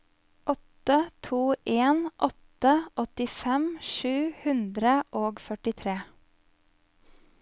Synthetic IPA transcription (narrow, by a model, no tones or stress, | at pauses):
ʔɔt̪ət̪ʰuːʔeːnʔɔt̪əʔɔt̪ɪfɛmʃʉːhʉnd̪ɾəʔoːɡfœʈɪt̪ʰɾeː